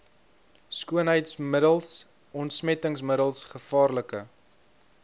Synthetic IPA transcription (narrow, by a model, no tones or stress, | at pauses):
skuənɦəjtsmədəlˠs | ɔntsmɛtəŋsməɾəlˠsχəfɑːrləkə